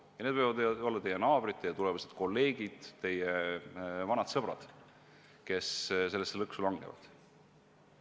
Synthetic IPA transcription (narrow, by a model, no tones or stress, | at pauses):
jɑned̪vɤjvɑd̪o̞lːɑt̪e̞jːenɑːb̥rit̪ːejɑt̪ulevɑsed̪̥ko̞lːe̞ːɡ̥id̪̥t̪e̞je | vɑnɑd̪̥sɤb̥rɑ̰d̪̥ | ke̞sse̞lːesːelɤksulɑŋɡ̥evɑ̰d̪̥